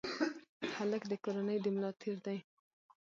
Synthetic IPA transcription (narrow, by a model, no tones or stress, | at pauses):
haləkd̪əkoɾanəjd̪əmlɑt̪ʰeɾd̪aj